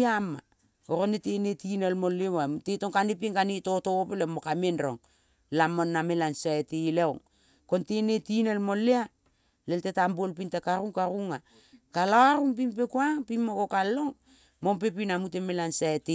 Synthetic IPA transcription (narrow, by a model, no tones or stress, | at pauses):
ama | oɾonetenetinelmolewamtetoŋkanepiŋkanitotopelemokamenɾo̰ŋ | lamonːamelansaetejleoŋ | kontenetinelmolea | leltetambolpintakaɾuŋkaɾuŋa | kalaaɾuŋpimpekuaŋpimokokalo̞ŋ | mompepinamutemelansaete